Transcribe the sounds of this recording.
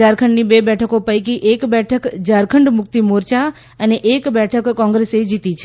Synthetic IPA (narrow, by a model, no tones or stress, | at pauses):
aɾkʰəɳɖnibebɛʈʰəkopəjkiʔekbɛʈʰəkd͡ʒaɾkʰəɳɖmʊk̚t̪imoɾt͡ʃa | əneʔekbɛʈʰəkːɔ̃ŋɡɾesed͡ʒit̪it͡ʃʰ